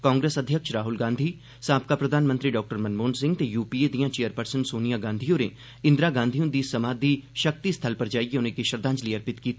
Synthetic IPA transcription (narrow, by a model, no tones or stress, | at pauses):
kãːŋɡɾeːsəd̪ʱjəkʃɾaːɦʊlɡãːnd̪ʱiː | sãːp̚kaːpɾəd̪ʱaːnmə̃nt̪ɾiːɖɔːk̚ʈəɾmənmoːnsɪ̃ŋɡ̚t̪ejuːpiːed̪ijãːt͡ʃeːjəɾpəɾsənsoːnijaːɡãːnd̪ʱijõnḛː | ɪ̃nd̪ɾaːɡãːnd̪ʱijõd̪iːsəmaːd̪iːʃək̚t̪ist̪ʰəlpəɾd͡ʒaːiɡeʊnẽkeʃəɾd̪ãːɲd͡ʒliːəɾpɪt̪kiːt̪ː